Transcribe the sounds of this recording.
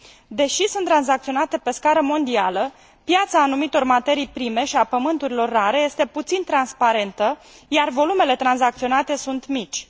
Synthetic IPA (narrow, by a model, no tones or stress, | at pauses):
d̪e̞ʃisunt̪ːɾanzakt̪sio̞nat̪e̞pe̞skaɾəmo̞nd̪ialə | pjat̪saːnumit̪o̞rmat̪e̞ɾijpɾime̞ʃiapəmɨnt̪uɾilo̞rːaɾe̞je̞st̪e̞put̪sint̪ɾanspaɾe̞nt̪əjarvo̞lume̞le̞t̪ɾanzakt̪sionat̪e̞sunt̪mit͡ʃʲ